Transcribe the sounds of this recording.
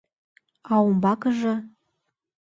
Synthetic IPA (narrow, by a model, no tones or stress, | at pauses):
ɑwumbɑkəʒɤ̆